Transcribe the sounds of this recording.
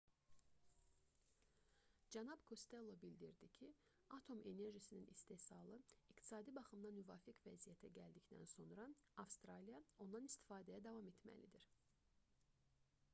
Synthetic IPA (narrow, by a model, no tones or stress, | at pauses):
d͡ʒænɑbkʰo̞st̪e̞lˠːobild̪iɾd̪icʰi | ɑt̪ʰo̞me̞ne̞ɾʒisininʔist̪e̞sɑlˠɯikt̪ʰi̥sɑːd̪ibɑχɯmd̪ɑnyvɑːfikvæzijæt̪ʰæɟæld̪ict̪æ̰nso̞nɾɑɑfst̪ɾɑlijɑo̞nd̪ɑnist̪i̥fɑːd̪æjæd̪ɑvɑme̞t̪mæ̰lid̪iɾ